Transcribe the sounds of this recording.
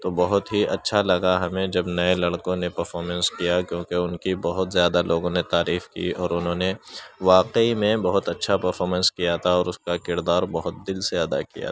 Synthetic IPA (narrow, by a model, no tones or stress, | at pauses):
t̪obɐɦʊt̪ɦiʔɐtːʃʰalɐɡaɦɐmẽd͡ʒɐbnɐẽlɐɽkõnepɐɾfɔːɾmə̃nskijakjõːkeʊnkibɐɦʊt̪zjaːd̪alʔoːɡõnet̪aːɾiːfkḭɔːɾʊnɦõːneʋaːqeimẽbɐɦʊt̪ɐtːʃʰapɐɾfɔːɾmə̃nskijat̪ʰaɔːɾʊskakɪɾd̪aːɾbɐɦʊt̪̚d̪ɪlseɐd̪a̰kḭja̰